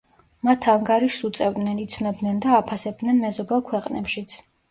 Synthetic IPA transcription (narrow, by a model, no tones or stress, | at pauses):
mat̪ʰaŋɡaɾiʃsut̪sʼɛvd̪nɛnit̪sʰnɔbd̪nɛnd̪aːpʰasɛb̚d̪nɛnmɛzɔbɛlˠkʰwɛqʼnɛpʃit̪sʰ